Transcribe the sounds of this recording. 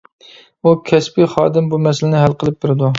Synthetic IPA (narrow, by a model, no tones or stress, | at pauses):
ukʲʰɛspɪχɑːd̪ɪmbumɛsɪlɪnɪɦælqəlˠɨp̚bɪɾɪd̪u